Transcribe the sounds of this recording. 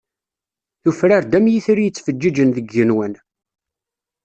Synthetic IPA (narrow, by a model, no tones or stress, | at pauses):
θufɾaɾd̪æmjiθɾijət͡sːfəd͡ʒːid͡ʒənðəɡːənwən